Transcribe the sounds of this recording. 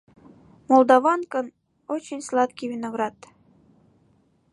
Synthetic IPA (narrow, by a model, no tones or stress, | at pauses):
molˠd̪ɑvɑnkən | ot͡ɕenʲslˠɑt̪kʲivʲinoɡɾɑt̪